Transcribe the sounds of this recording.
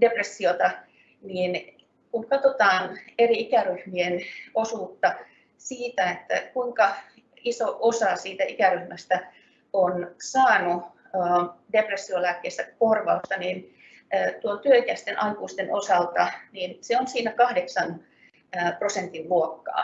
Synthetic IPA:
depresːiot̪ɑ | niːn | kuŋkɑt̪ot̪ɑːneriikæryhmienosuːt̪ːɑ | siːt̪æet̪ːæ̰kuiŋkɑ | isoʔosɑsiːt̪æikæryhmæst̪æ | onsɑːnu | əːdepresːiolæːkːeːst̪ækorʋɑust̪ɑninː | t̪uont̪yøikæst̪enʔɑikuːst̪enosɑlt̪ɑniːnseonsiːnækɑhdeksɑn | əːprosent̪iʋluokːɑ̰ː

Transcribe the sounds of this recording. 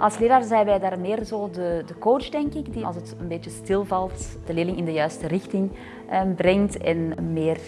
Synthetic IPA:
ʔɑlˠsleːɾaːrzɛjnʋɛjdaːrmɪːrzoːdədəkowt͡ʃdɛŋkɪɡdiɑ̰lˠsətənbeːtəstɪlˠvɑlˠtd̥əleːlɪŋɪndəjœɥstərɪxtɪŋ | brɛŋtɛ̰nmɪːr

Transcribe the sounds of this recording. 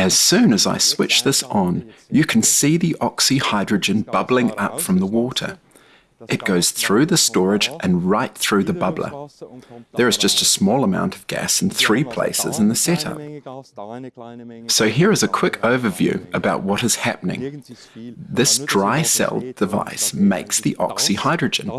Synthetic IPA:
ɨz̥sʉ̃nɨza̰ɪswɪt͡ʃðɪsn̩jɨkʰn̩siðiʔɑksihaɪdɹɨd͡ʒɨ̃nb̥ʌblˠɪ̃ŋʌ̰pfɹʌ̃mðəwɔɾə̰˞ | ʔɨt̚ɡ̥oʊz̥θɹʉðɨstɔɹɨd͡ʒʔɨ̃nɹaɪt̪̚θɹʉðɨbʌblə̰˞ | ðə˞ɨzd͡ʒʌstɨsmɔlˠəmãʊ̃ntʰʌvɡæ̰sn̩θɹipʰl̥ḛɪsɨ̰zɨ̃n̩ðɨsɛɾʌ̰p̚ | soʊɦɪɹɨzɨkʰw̥ɪkʰoʊvə˞vjʉ̰ɨbaʊtʔ̚wʌɾɨz̥hæp̚ənɪ̰̃ŋ | ðɪsd̥ɹaɪsɛ̰lˠdd̥ɨva̰ɪsmeɪksðiʔɑ̰ksihaɪdɹɨd͡ʒɨ̰̃n

